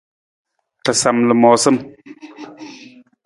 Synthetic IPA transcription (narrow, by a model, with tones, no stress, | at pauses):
tə˨sa˨mlə˨mɔ˨sə˦m